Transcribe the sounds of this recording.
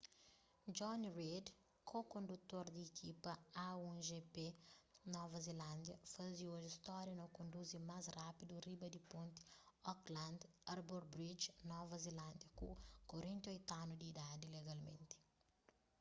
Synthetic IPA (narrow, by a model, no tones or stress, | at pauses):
d͡ʒɔnɾed̪ | kʰokõnd̪ut̪ːoɾd̪iekʰipɐaũʒepenɔvɐzelãnd̪jɐfazioʒist̪ɔɾjɐnõkõnd̪uzimazrapid̪uribɐd̪ipõnt̪i̥ɔklãnd̪ | aɾboɾbɾid͡ʒnɔvɐzelãnd̪jɐkṵkoɾẽnt̪ojt̪anud̪iːd̪ad̪ileɡalmḛ̃nt̪i̥